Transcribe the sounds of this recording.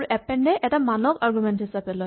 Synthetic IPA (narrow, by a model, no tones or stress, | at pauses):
ɹuʔɛpɛnɖɛʔɛtamanɔkaɹɡumɛntɦisapɛlɔj